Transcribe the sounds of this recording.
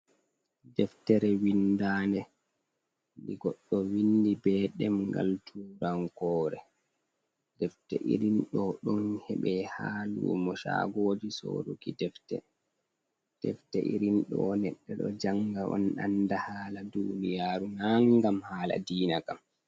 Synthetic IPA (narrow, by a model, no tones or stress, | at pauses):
dɛftɛɾɛwindaːnɛ | diɡɔɗːɔwindibɛɗɛmɡa̰ltʰuːɾaŋkɔːɾɛ | dɛftɛ̰ʔḭɾinɗɔɗɔnhɛɓɛhaːlṵmɔʃa̰ɡɔod͡ʒiso̰ɾṵkidɛftɛ̰ | d̥ɛftɛ̰ʔḭɾinɗɔnɛɗːɛɗɔ̰d͡ʒaŋɡaʔɔ̰nɗa̰ndahaːladunijaːɾunaŋɡamhaːla̰diːnakam